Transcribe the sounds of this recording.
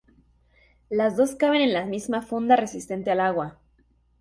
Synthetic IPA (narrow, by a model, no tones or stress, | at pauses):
lazðo̞skaβ̞e̞ne̞nlamizmafund̪are̞sist̪e̞nt̪e̞alaɣwa